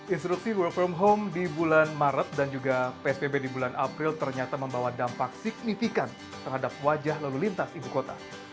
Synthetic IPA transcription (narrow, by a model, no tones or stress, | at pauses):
ʔinst̪ɾuksiwəlk̚fɔmɦomdibulanmaɾət̪̚dand͡ʒuɡapeɛsbebedibulanʔapɾɪlt̪ərɲat̪aməmbawadampaksik̚nifikan | t̪ərɦadap̚wad͡ʒahlalulint̪asibukot̪a̰